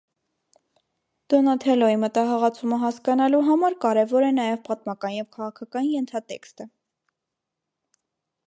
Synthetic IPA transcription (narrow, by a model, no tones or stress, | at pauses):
d̪̥ɔnɑt̪ʰɛlɔimət̪ɑɦɑʁɑt͡sʰuməɦɑskɑnɑluɦɑmɑɾkɑɾɛvɔɾɛnɑjɛvpɑt̪mɑkɑnjɛvkʰɑʁɑkʰɑkɑnjɛnt̪ʰɑt̪ɛ̰kst̪ə